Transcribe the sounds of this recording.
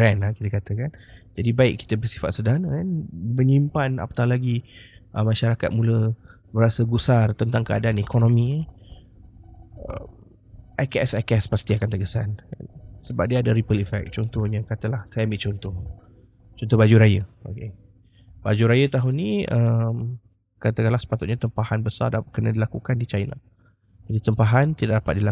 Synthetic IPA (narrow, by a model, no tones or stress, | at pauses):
ɾɛnakit̪əkat̪əkand͡ʒadibaɪʔkːi̥t̪əbərsi̥fa̰t̪̚sədanəkanməɲimpana̰pə̥t̪ahlaɡiʔəmaʃaɾakat̪̚mũlə | bəɾasəɡusart̪ənt̪aŋkəa̰daanikʰɔnõmi | ə̰m | ʔakɛsakɛspast̪iakant̪əɡəsan̰səbap̚diaːdaɾipəlifɛ̰k̚t͡ʃɔnt̪ɔhɲãkat̪əlahsajambɪʔt͡ʃɔnt̪ɔh | t͡ʃɔnt̪ɔhbad͡ʒuɾajəo̰ke | bad͡ʒuɾajət̪aɦʊnːiəm | kat̪əkalahsə̥pat̪ʊt̪̚ɲat̪əmpahanbəsa̰rdakənadilakukandit͡ʃajna̰ | d͡ʒadit̪əmpaɦant̪idaʔ̚dapat̪̚dila